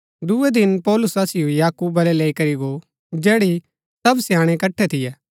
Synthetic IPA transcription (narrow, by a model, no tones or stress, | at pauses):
d̪ʊed̪ɪnpɔːlʊsaːsɪjojaːkuːbɐlɛleːikɐɾiɡo | d͡ʒɛːɽi | sɐbsjãːɽ̃ekɐʈʰːɛt̪ʰɪjɛː